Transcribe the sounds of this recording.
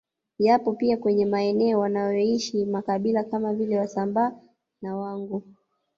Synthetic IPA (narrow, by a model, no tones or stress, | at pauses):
japɔpiakwɛɲɛmaɛnɛɔwanajɔiʃimakaɓilakamavilɛwasambaː | nawaŋɡu